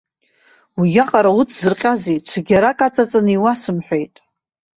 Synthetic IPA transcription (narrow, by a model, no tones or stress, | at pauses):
wijaqʼaɾaut͡sʰzɨrqʲʼazejt͡ʃʷʰaɡʲaɾakʼat͡sʼat͡sʼaniwasɨmħʷᶣejtʼ